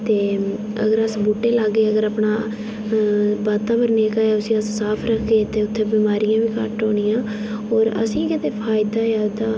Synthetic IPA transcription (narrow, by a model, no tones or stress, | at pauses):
t̪eː | ə̰ɡəɾəsboːʈeːlaɡeːəɡəɾaːpɳaː | baːt̪aːbəɾneːkaːeːʊsĩːəssaːpʰɾəkʰɡeːt̪eːʊt̪ʰːeːbiːmaːɾijãːʋiːkəʈoːɽ̃ijãː | ɔːɾə̰sĩːkɪt̪eːpʰaːɪd̪aːaːd̪aː